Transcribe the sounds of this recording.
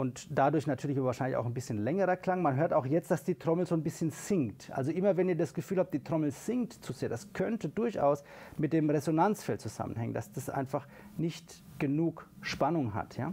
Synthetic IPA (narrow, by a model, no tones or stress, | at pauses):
ʔʊntd̥adʊɐçnatʰyːɐlɪçabvaːɐʃaɪnlɪça̰ʊxnbɪsçənlɛŋəʁɐkl̥aŋmanɦøːɐtaʊxjɛt͡st̚d̥asd̥iːtʁ̥ɔml̩zoːnbɪsçənz̥ɪŋtʔa̰lzoʔɪmɐvɛniːɐdasɡ̥əfyːlhapt̚d̥iːtʁ̥ɔml̩z̥ɪŋtt͡suzeːɐdaskʰœntədʊɐçʔa̰ʊs | mɪt̚d̥eːmʁezonant͡sfɛlt̚t͡suz̥a̰mənhɛŋə̰ndasd̥asʔa̰ɪnfaχ | nɪçt | ɡ̥ənuːk | ʃpanʊŋɦa̰tja̰ː